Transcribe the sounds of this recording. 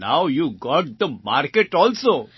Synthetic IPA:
naʊjuɡɔʈ̚d̪əmaɾkeʈɔːlso

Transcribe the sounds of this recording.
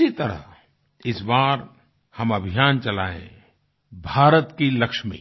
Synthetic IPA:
it̪ɐɾə̰ | ɪsbaːɾ | hɐmɐbʱijaːnt͡ʃɐlaːḛ̃ | bʱaːɾət̪kilɐkʃmḭ

